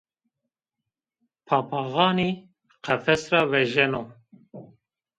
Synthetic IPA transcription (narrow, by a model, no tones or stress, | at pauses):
pʰɑːpʰɑɣɑːniː | qʰɛfɛsrɑːwɛʒɛno